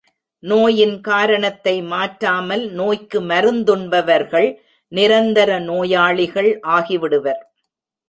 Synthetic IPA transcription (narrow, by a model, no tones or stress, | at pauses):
noːjɪnkaːɾɐɳɐt̪ːɐɪmaːʈɾaːmɐlnoːjkɯmɐɾɯnd̪ɯɳbɐʋɐɾɣɐɭ | nɪɾɐnd̪ɐɾɐnoːjaːɭɪɣɐɭʔaːɣɪʋɪɽɯʋɐɾ